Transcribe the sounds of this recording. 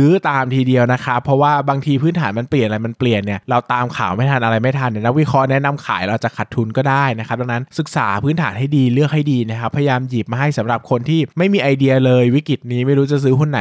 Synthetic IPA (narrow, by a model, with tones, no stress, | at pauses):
ɯː˦˥t̪aː˧mt̪ʰiː˧di˧əwna˦˥kʰa˦˥pʰːɔ˦˥waː˥˩baː˧ŋt̪ʰiː˧pʰɯː˦˥nt̪ʰaː˩˦nma˧npli˨˩ə˩nʔɾa˧jma˧npli˨˩ənːi˥˩ɐɾa˧wt̪aː˧mkʰa̰ː˩˦wma˥˩t̪ʰa˧nʔa˧ɾa˧jma˥˩jt̪ʰa˧nː˧˥˩na˦˥k̚wi˦˥kʰɔ˦˥nɛ˦˥na˧mkʰaː˩˦jɾa˧wt͡ɕa˨˩kʰa˨˩t̪ʰːu˧nkɔː˥˩daː˥˩jna˧˦˥kʰa˦˥p̚da˧ŋna˦˥nsɯ˨˩k̚sa̰ː˩˦pʰɯː˦˥nt̪ʰaː˩˦nɦa˥˩jdiː˧lɯ˥˩ək̚ha˥˩jdiː˧na˦˥˩kʰa˦˥pʰːa˧ja˧jaː˧mjiː˨˩p̚maː˧ɦa˥˩jsa˩˦mɾa˨˩p̚kʰo˧nt̪ʰiː˥˩ma˥˩jmiː˧ʔa˧jdi˧ɐ˧lɤː˧jwi˦˥kɾi˨˩t̪̚niː˦˥ma˥˩jɾuː˦˥t͡ɕa˨˩s̬ɯː˦˥kʰo˧˩nːa˨˩˦